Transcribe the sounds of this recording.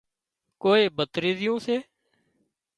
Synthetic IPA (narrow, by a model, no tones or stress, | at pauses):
koːeːbət̪ɾiːzɪjõːseː